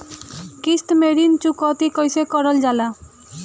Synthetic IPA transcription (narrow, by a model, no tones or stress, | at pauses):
kisʈmeɾint͡ʃukɔt̪ikɔjsekɔɾɔld͡ʒala